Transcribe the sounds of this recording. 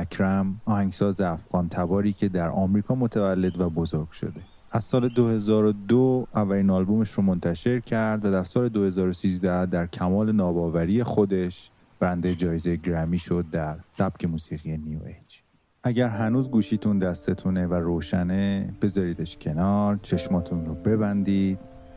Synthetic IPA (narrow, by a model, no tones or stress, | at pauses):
ækʰɾæmɒːhæŋɡsɒːzeæfɣɒːnt̪ʰæbɒːɾiːcʰe̞d̪æɾɒːmɾiːkʰɒːmo̞t̪ʰævælːe̞d̪væbo̞zo̞ɾɡ̥ʃo̞̰d̪e̞ | æz̥sɒːled̪o̞he̞zɒːɾod̪oævːæliːnɒːlbome̞ʃɾomo̞nt̪ʰæʃe̞ɾcʰæɾd̪væd̪æɾsɒːle̞d̪o̞he̞zɒːɾosiːzd̪æd̪æɾcʰæmɒːle̞nɒːbɒːvæɾije̞xo̞d̪e̞ʃ | b̥æɾænd̪ejed͡ʒɒːjeze̞jeɟɾæmiːʃo̞d̪̚ːæɾsæb̚cʰe̞muːsiːɣije̞niuet͡ʃ | ʔæɟæɾɦænuːzɡuːʃiːt̪ʰund̪æst̪et̪ʰuneværoːʃæneb̥e̞zɒːɾiːd̪eʃcʰe̞nɒːɾt͡ʃʰe̞ʃmɒːt̪ʰunɾobe̞bænd̪iːd̪̥